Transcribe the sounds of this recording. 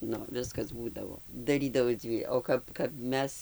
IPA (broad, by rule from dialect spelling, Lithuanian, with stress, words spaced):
ˈnʊ ˈʋʲɪskɐs ˈbuːdɐʋoː ˈdɑːrʲiːdɐʋɐɪ ˈd͡zʲʋʲiː oː ˈkɐp kɐp ˈmʲɛs